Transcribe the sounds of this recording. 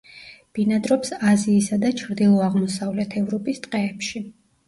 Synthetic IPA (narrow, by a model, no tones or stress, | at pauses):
b̥inad̪ɾɔpsaziːsad̪at͡ʃʰɾd̪ilˠɔaʁmɔsavlɛt̪ʰɛvɾɔpʼist̪sʼqʼɛːpʃi